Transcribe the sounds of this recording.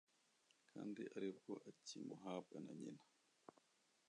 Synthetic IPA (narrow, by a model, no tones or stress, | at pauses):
kʰandiʔaɾɛbɔʔat͡ʃːimɔɦaːbanaɲina